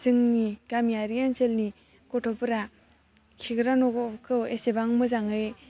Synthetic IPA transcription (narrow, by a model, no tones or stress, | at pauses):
zɯŋniɡ̥amijaɾijanselni | kɔtʰɔpɯɾa | kʰiɡɾanɔɡkʰɯwesebaŋmɯzaŋɯj